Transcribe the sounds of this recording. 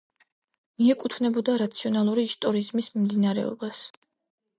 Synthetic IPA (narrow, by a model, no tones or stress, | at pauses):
miɛkʼut̪ʰvnɛbɔd̪aɾat̪sʰiɔnalˠuɾiːst̪ʼɔɾizmismimd̪inaɾɛ̰ɔ̰bas